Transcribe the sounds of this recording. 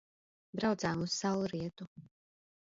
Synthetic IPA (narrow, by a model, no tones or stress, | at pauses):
bɾawt̪zaːmussawɾiɛt̪u